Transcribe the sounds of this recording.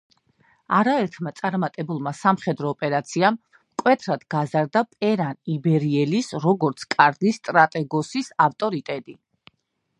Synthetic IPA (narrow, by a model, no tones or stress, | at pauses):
aɾaɛɾt̪ʰmat̪sʼaɾmat̪ʼɛbulˠmasamχɛd̪ɾɔːpʼɛɾat̪sʰiam | kʼwɛt̪ʰɾad̪̥ɡazaɾd̪apʼɛɾanibɛɾiɛlisɾɔɡɔɾt̪sʰkʼaɾd̪ist̪ʼɾat̪ʼɛɡɔsisaft̪ʼɔɾit̪ʼɛt̪ʼi